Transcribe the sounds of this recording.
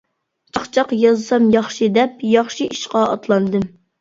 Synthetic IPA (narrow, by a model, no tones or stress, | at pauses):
t͡ʃʰɑχt͡ʃʰɑqjɑzɨsɑmjɑχʃid̪ɛp̚jɑχʃiʔiʃqɑɑt̪lˠɑnd̪ɨm